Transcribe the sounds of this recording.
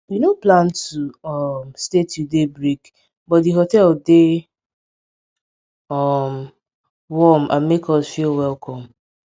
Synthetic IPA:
winoplãntuɔmstetudebɹik | bɔtdiɦotɛlde | ɔm | wɔm̩ʔã̰nmekɔsfilwɛlkʰɔ̃m

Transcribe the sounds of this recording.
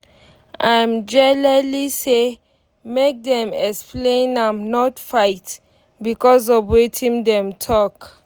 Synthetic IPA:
ãmd͡ʒɛlɛlise | mek̚dɛ̃mɛksplẽnãmnɔtfaɪt | bikɔs̬ɔvwetʰĩŋdɛ̃mtʰɔk

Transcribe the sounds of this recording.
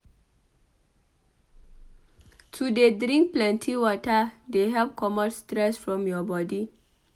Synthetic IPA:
tʰudedɹĩŋk̚plɛ̃ntʰiwɔtədeɦɛp̚kʰɔmɔ̃nstɹɛsfɹɔ̃mjɔbɔdi

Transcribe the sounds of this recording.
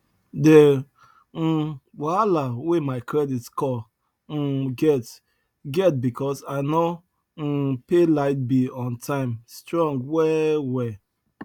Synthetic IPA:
de | walawemaɪkɾɛditskɔ | ɡɛt | ɡɛt̚bikʰɔsano | pelaɪt̚biɔ̃ntʰãɪ̃mstɹɔ̃ŋɡwɛwɛ

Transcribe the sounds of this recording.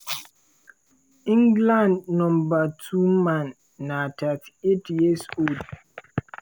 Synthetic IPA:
ĩŋɡlãndnɔ̃mbatʰumãnː | atʰatʰetʰjisod

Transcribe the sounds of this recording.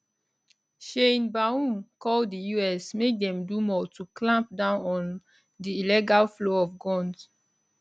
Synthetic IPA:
ʃẽnbaũmkɔldijuɛsmek̚dɛ̃mdumɔtuklãmp̚dãʊ̃nɔ̃n | diilɛɡalfloɔfɡɔ̃ns

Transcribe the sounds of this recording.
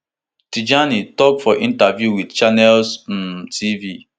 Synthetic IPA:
tid͡ʒanitɔkfɔʔin̩tavjuwidt͡ʃanɛlsm̩tʰivi

